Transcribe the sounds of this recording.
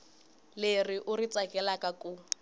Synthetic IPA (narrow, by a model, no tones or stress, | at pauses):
leriʔʊrit͡sʼakʼɛlakʼakʼu